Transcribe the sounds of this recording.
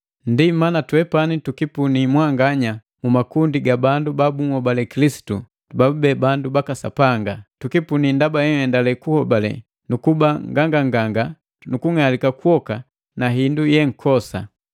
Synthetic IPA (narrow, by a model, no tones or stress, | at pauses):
ndimanatwɛpanitukipunimwaŋɡaɲa | mumakundiɡabandubabuŋ̩hɔbalɛkilisi̥tu | tubaubɛbandubakasa̰paŋɡatukipunindabajɛŋɛndalɛkuhɔbalɛ̰ | nukubaŋɡaŋɡaŋɡaŋɡa | nukuŋalikakuɔka | naɦindujɛŋ̩kʰɔsa̰